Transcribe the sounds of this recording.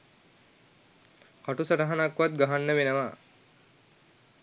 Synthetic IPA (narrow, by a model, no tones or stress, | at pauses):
kaʈusaʈaɦanakʋat̪̚ɡaɦanːəʋenəʋa